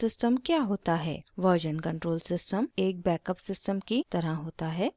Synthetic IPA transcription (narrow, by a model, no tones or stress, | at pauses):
sɪsʈəmkjaːɦoːt̪aɦɛ̰ːʋɔːd͡ʒənkɐ̃ɳʈɾoːlsɪsʈəmeːk̚bɛːkəpsɪsʈəmkit̪ɐɾəɦoːt̪aɦɛː